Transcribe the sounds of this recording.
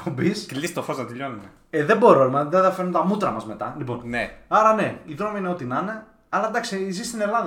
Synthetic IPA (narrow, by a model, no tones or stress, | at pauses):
pobisklist̪ofoznɐt̪eʎonune | eðebo̞ɾolmðenðɐfeɾunt̪ɐmut̪ɾɐmɐzme̞t̪ɐ̰lipo̞̰nneɐɾɐne̞iðɾo̞miineo̞t̪inɐne | ɐlɐd̪ɐksizist̪ine̞lɐðɐ